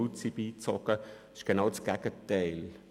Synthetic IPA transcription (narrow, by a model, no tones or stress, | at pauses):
ut͡sibiːt͡sɔkə | ɪ̥ʃɡ̥ənaʊsɡ̥ɛɡ̥ətɛɪl